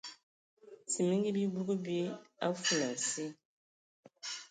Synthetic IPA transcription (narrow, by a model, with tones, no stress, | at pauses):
si˨mi˦ŋɡi˦bi˦bu˦ɡu˦bi˦a˦fu˨la˨si˦